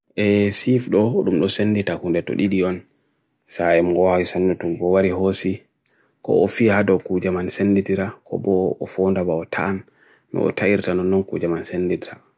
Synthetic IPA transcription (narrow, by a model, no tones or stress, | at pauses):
ʔɛsifɗɔɗumɗɔsenːditakundɛtɔ̰ɗiɗiɔn | saɛmŋɡɔwawisanːutumbɔwaɾihosi | kɔ̰ɔfihadɔkud͡ʒamansenːdidiɾakʰɔ̰bɔɔfondabaɔtʰaːn | mɛ̰ʔɔ̰taiɾtanɔnːɔnkṵd͡ʒamansenːditiɾa